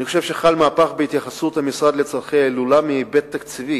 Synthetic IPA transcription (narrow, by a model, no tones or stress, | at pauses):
niχoʃevʃe̞χalmaːpaχbeit̪jaχasut̪hamisʁad̪le̞t͡saʁχejaelulamibet̪ːakt͡sivi